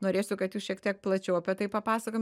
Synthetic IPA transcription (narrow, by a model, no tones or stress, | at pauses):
noːɾʲeːsʲʊkɐt̪juːsʃʲiɛkt̪ʲiɛk̚plˠɐt͡ʃʲɛʊɐpʲɛt̪ɐɪpɐpɑːsɐkoːm